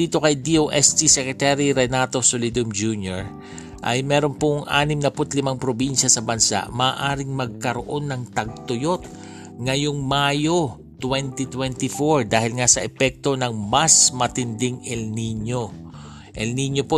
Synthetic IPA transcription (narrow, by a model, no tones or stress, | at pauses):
iːt̪o̞kɐjd̪iʔoʔɛst̪isɛkɾɛt̪aɾiɾɛnat̪o̞solid̪ʊmd͡ʒunjoɹ | ʔɐ̰jmɛɾonpʊŋʔa̰ːnɪmnɐpʊt̪lɪmaŋpɾobinʃɐsɐbɐnsa̰ʔmaːʔaːɾɪŋmɐɡ̚kɐɾoʔo̞nːɐŋt̪ɐɡ̚t̪ʊjo̞t̪̚ | ŋɐjoŋmaːjo̞ | t̪wɛnt̪it̪wɛnt̪ɪfoɹd̪aːhɪlŋasɐʔɛpɛk̚t̪o̞nɐŋmɐsmɐt̪ɪnd̪ɪŋɛlniɲo | ʔɛlniɲopo